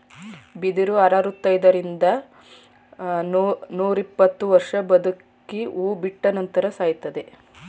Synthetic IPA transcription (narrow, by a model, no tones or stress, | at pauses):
bid̪iɾuɐɾaːɾut̪ːɐjd̪ɐɾind̪ɐ | nuːɾipːɐt̪ːuʋɐɾʂɐbɐd̪ukː | iuːbiʈːɐnɐnt̪ɐɾɐsaːjt̪ːɐd̪e̞